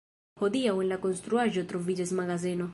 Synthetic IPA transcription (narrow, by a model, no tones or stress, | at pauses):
poðiawenlakonst̪ɾuaʒot̪ɾovid͡ʒezmaɣazeno